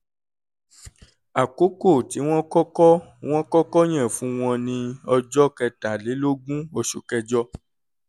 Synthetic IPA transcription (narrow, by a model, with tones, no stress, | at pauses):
a˨ko˨˦ko˦˨ti˨˦w̃ɔ̃˦kɔ˦kɔ˦w̃ɔ̃˦kɔ˦kɔ˦j̃ɛ̃˦˨fũ˨˦w̃ɔ̃˧nĩ˧ɔ˧d͡ʒɔ˦kɛ˧ta˨le˨˦lo˦ɡũ˦o˧ʃṵ˨kɛ˧d͡ʒɔ˧˦